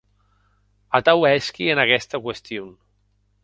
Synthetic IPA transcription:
at̪awɛskienakɛst̪əkwest̪ion

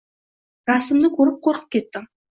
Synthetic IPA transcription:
ɾɑsəmd̪əkʲʰɵɾəp̚qʰoɾqə̥p̚kʲʰe̞t̪ːɪ

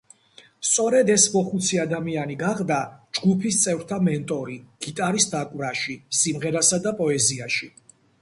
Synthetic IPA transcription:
st̪sʼɔɾɛd̪ɛsmɔχut̪sʰiad̪amianiɡaʁd̪ad͡ʒɡupʰist̪sʼɛvɾt̪ʰamɛnt̪ʼɔɾiɡ̥it̪ʼaɾisd̪akʼvɾaʃisimʁɛɾasad̪apʼɔɛziaʃi

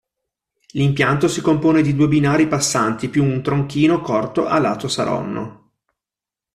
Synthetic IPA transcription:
limpjant̪osikompoːned̪id̪uːebinaːɾipasːant̪ipjuːnt̪ɾoŋk̟iːnokɔrt̪oʔalːa̰ːt̪osa̰ɾɔ̰nːo̰

